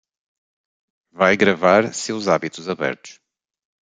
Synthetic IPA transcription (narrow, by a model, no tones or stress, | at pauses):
vajɣɾɐvaɾsewzaβit̪uzɐβɛ̰ɾt̪u̥ʃ